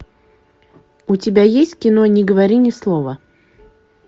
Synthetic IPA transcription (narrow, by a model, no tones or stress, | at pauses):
ʊtʲɪbʲajesʲtʲkʲɪno̞nʲɪɡəvɐɾʲinʲɪslˠovə